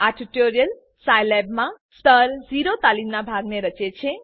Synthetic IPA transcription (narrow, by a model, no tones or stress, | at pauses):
aʈiʈoɾijəl | sajlɛbmãst̪əɾd͡ʒiɾot̪alimnabʱaɡneɾət͡ʃet͡ʃʰe